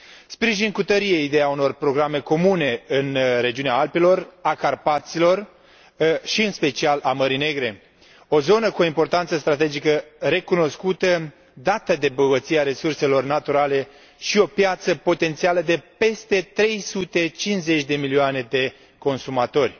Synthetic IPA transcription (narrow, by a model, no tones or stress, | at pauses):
spɾiʒinkut̪əɾieid̪e̞jauno̞rpɾo̞ɡɾame̞ko̞mune̞ɨnɾe̞d͡ʒiuneaalpilo̞rakarpat̪silo̞r | ʃiɨnspe̞t͡ʃialʔaməɾine̞ɡɾe̞ | o̞zo̞nəkuo̞impo̞rt̪ant̪səst̪ɾat̪e̞d͡ʒikəɾe̞kuno̞skut̪ə | d̪at̪əd̪e̞boɡət̪siaɾe̞surse̞lo̞rnat̪uɾale̞ | ʃio̞pjat̪səpo̞t̪e̞nt̪sialəd̪e̞pe̞st̪e̞t̪ɾe̞jsut̪e̞t͡ʃinze̞t͡ʃʲd̪e̞milioane̞d̪e̞ | ko̞nsumat̪o̞rʲ